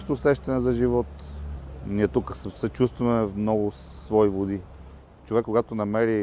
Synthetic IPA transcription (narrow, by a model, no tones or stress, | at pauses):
t̪oːsɛʃt̪ɐnɛzɐʒivɔt̪ | niɛt̪ukəssɛt͡ʃust̪vɐmɛmnɔɡʊ | svɔivod̪i | t͡ʃovɛkːoɡat̪onɐmɛɾi